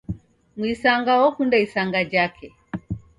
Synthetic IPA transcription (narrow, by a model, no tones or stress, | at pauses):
mwisaŋɡawɔkundaisaŋɡad͡ʒakʰɛ